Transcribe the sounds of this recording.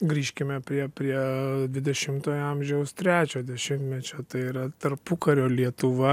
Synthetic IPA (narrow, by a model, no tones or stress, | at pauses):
ɡɾʲiːʃʲkʲɪmʲɛpʲɾʲiɛpʲɾʲiɛd̪ʲʋʲɪd̪ʲɛʃʲɪmt̪oːjoɑmʲʒʲɛʊst̪ʲɾʲæːt͡ʃʲoːd̪ʲɛʃʲɪmt̪ʲmʲɛt͡ʃʲoːt̪ɐɪiɾɐt̪ɐrpʊkɐɾʲoːlʲiɛt̪ʊʋɐ